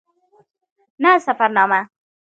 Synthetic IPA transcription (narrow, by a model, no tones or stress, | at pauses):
nasafaɾnɑːma